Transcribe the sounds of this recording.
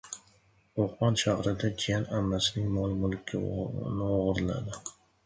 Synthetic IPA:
oχmɒnʃahɾɪd̪ad͡ʒijanamːasɪnɪŋmɒlˠmʊlˠkʲʰːɪ̰nɪoʁɨɾɪla̰d̪ɪ

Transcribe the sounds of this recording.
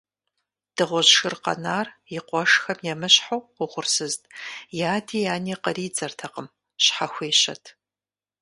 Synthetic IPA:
d̥ɨʁʷɔʑʃɨrqɐ̰naːrjɪqʷɔʂxɐmjɛmɨɕħowʊʁʷʊrsɨztʼjaːdʰiːjaːniːqəriːd͡zɐrtʰɐqəm | ɕħaxʷeːɕɐ̰tʰ

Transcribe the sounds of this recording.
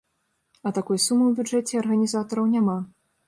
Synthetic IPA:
ɐt̪akujsumɨwbʲud͡ʐɛt͡sʲɛɐrɣɐnʲizat̪ɐɾɐwnʲama

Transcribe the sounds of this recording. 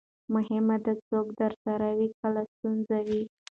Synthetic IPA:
mʊhɪmad̪ət͡soɡd̪əɾsaɾawikəlast̪unzawi

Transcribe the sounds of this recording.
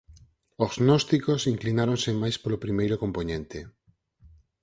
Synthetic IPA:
oznɔst̪ikosiŋklinaɾõnsemajspolopɾimejɾʊkomponẽnt̪e

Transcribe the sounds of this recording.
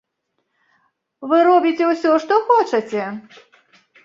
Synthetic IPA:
vɨɾɔbʲit͡sʲɛwsʲɔʂt̪ɔxɔt͡ʂɐt͡sʲɛ

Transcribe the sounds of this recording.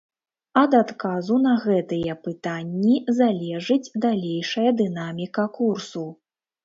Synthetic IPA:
ɐd̪at̪kazunɐɣɛt̪ɨjɛpɨt̪anʲːizalʲɛʐɨd͡zʲd̪alʲejʂɐjɐd̪ɨnamʲikɐkursu

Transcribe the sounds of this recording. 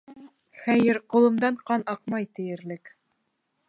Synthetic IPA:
χæjɘɾqŭlˠɤ̆md̪ɑɴqɑnɑq̚mɑjt̪ɘ̆jɘ̆ɾlɘk

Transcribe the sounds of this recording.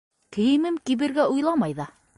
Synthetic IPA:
kɘ̆jɘ̆mɘmkiβɘ̆ɾɡæujlˠɑmɑjðɑ

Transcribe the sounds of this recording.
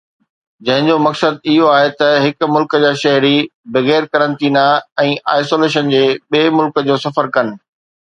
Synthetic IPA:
d͡ʑɐ̃ɦɪ̃ɲd͡ʑomɐksəd̪̚ɪɦoaːɦet̪ɐɦɪkʊ̆mʊlkəd͡ʑaːʃɐɦɾibɐɣɛːɾkɐɾə̃nt̪iːnaɛ̃ːʔaːɪsoːleːʃənd͡ʑeːɓeːmʊlkə̆d͡ʑoːsɐfəɾkɐnɪ̆

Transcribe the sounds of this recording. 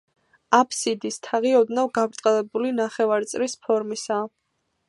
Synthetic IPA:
apʰsid̪ist̪ʰaʁiɔd̪navɡabɾt̪ʼqʼɛlɛbulinaχɛvaɾt̪sʼɾispʰɔɾmisa

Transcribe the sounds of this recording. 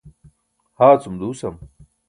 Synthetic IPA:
haːt͡sumd̪uːsɐm

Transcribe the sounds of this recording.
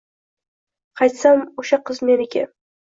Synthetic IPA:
qʰɑjt̪samoʃaqɨzmenɪɡʲa̰

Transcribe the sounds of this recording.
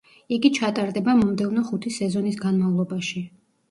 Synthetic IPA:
iɡit͡ʃʰat̪ʼaɾd̪ɛbamɔmd̪ɛvnɔχut̪ʰisɛzɔnisɡanmavlˠɔbaʃi

